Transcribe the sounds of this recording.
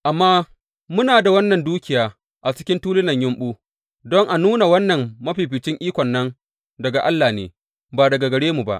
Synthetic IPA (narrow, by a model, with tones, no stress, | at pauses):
ʔa˨mːaː˦ | mʊ˦naː˨da˨wɐ˦nːɐ˨nduː˦kʲɪ˨jaː˨ | ʔa˨t͡ʃɪ̥˦kʲɪ˦ntuː˦lɪ˦nɐ˨ɲjʊ˦mɓuː˦ | dɔ˦ŋʔa˨nuː˦na˨wɐ˦nːɐ˨mmɐ˦ɸiː˨ɸɪ˨t͡ʃɪ˦ŋʔiː˦kʷɔ˨nːɐ˦n | dɐ˨ɡa˨ʔa˦lːaː˨nḛː˨ | baː˨dɐ˨ɡa˨ɡɐ˨ɽeː˦mu˨ba̰˦ʔ